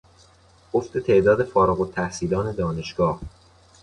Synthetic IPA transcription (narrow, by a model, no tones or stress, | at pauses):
oft̪et̪ʰe̞ʔd̪ɒːd̪e̞fɒːɾɒɣot̪ʰːæhsiːlɒːne̞d̪ɒːne̞ʃɡ̥ɒːh